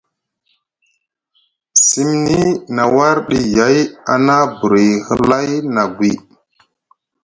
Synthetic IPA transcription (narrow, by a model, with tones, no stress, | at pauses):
si˦mni˦na˨wa˦ɾɗi˨ja˨˦ja̰˨na˦bu˨ɾi˨hə˦la˦jna˨ɡwi˨